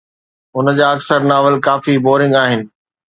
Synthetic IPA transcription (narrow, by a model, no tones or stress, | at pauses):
ʊnəd͡ʑaːɐksəɾnaːʋəlkaːfiboːɾɪ̃ŋɡaːɦɪnɪ̆